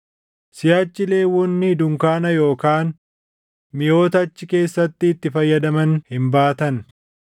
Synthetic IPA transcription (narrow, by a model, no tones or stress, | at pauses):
sɪjaːt͡ʃːɪle̞ːwɔnːɪd̪ʊŋkaːnɐjo̞ːkaːn | mɪjo̞ːt̪ɐːt͡ʃːɪke̞ːsːɐt̪ːɪːt̪ːɪfɐjːɐd̪ɐmɐnhɪmbaːt̪ɐn